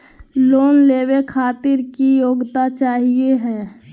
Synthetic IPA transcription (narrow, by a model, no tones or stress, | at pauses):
loːnleːwekʰaːt̪ɪɾkijoːɡt̪at͡ʃaːɦieɦɛ̃ː